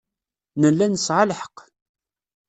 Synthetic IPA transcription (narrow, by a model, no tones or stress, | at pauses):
nəlːænəsʕalħə̥q